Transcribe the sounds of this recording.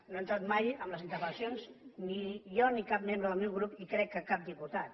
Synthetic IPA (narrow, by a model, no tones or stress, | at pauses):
noent̪ɾat̪majəmləzint̪əɾβənsjonznijɔnikap̚mẽmbɾəðəlˠmewɣɾupikɾɛkːəkap̚d̪iput̪at̪